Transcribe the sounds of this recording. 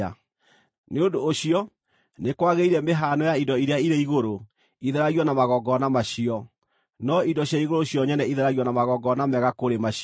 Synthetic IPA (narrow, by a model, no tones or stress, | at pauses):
a | neondoːɕiɔ | nekwaɣeiɾɛmeɦanɔjaidɔiɾeaiɾeiɣoɾo | iðɛɾaɣiɔnamaɣɔɡɔnamaɕiɔ | nɔidɔɕjaiɣoɾoɕiɔɲɛnɛiðɛɾaɣiwɔnamaɣɔɡɔnamɛɣakoɾema